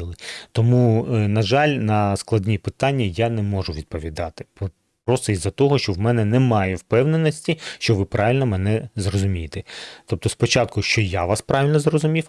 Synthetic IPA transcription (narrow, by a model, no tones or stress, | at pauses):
ilˠɪt̪ɔmunɐʒɑlʲnɐsklˠɐd̪ʲnʲipɪt̪ɑnʲːɐjanɛmɔʒʊʋʲid̪̚pɔʋʲid̪ɑt̪ɪp | pɾɔst̪ɔizɐt̪ɔɦɔʃt͡ʃɔwmɛnɛnɛmɑjɛwpɛwnenɔsʲtʲiʃt͡ʃɔʋɪpɾʔɑʋʲilʲnɔmɛnɛzrɔzʊmʲijet̪ɛt̪ɔp̚t̪ɔspɔt͡ʃɑt̪̚kʊʃt͡ʃɔjaʋɑspɾɑʋʲilʲnɔzrɔzʊmʲiw